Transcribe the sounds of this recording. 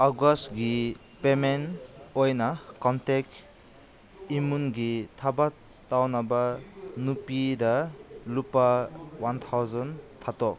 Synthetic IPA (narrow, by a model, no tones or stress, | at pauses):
aɡɔstɡi | pemenojnakɔntek | imunɡitʰaba | tawnabanupidalupawant̪ʰawzɔntʰatɔk̚